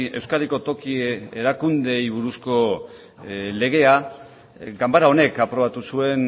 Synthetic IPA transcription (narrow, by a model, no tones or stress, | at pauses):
e̞wskaɾiko̞t̪o̞kieɾakund̪e̞jβ̞uɾusko̞ | le̞ɣ̞e̞a | ɡambaɾao̞ne̞kapɾo̞βat̪usue̞n